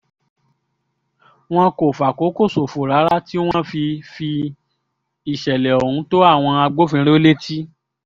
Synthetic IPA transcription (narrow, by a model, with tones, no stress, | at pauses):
w̃ɔ̃˦ko˨fa˨ko˨˦ko˦˨so˨fo˨ɾa˨˦ɾa˦ti˦w̃ɔ̃˦fi˧fi˧ | i˨ʃɛ˨lɛ˨o˨hũ˨˦to˦a˦˨w̃ɔ̃˧a˧ɡ͡bo˦fĩ˧ɾ̃e˦o˦le˦ti˦